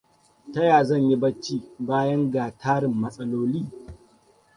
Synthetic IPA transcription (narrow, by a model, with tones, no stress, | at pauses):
tɐ˦jaː˨zɐ˦˨ɲji˦bɐ˦t͡ʃːiː˦baː˦jɐ˦ŋɡaː˨tʰaː˦ɽɪ˨mːɐ˦sʼɐ˦loː˦liː˦